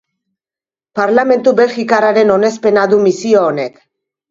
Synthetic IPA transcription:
paɾlame̞nt̪ube̞lxikaraɾe̞no̞ne̞spe̞naðumisioone̞k

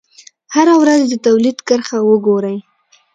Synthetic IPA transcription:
haɾawɾazd̪ət̪awlid̪kəɾxawəɡoɾəj

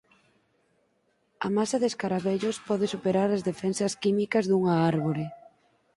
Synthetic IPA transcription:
ɐ̰masaðeskaɾaβeʎospɔðɪsupeɾaɾazðefɛnsɐskimikɐzðuŋaaɾβoɾɪ

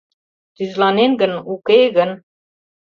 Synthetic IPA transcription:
t̪yzlɑnenɡənukeɡə̆n

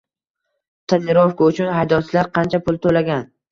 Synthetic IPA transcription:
t̪ʰanɪɾofkʊʊt͡ʃʰʊnɦajd̪ɒt͡ʃʰlaɾqʰɑnt͡ʃʰapʰʊlˠt̪ʰolaɡʲan

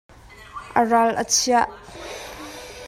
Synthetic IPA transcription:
ʔəralʔə̰t͡sʰiaʔ

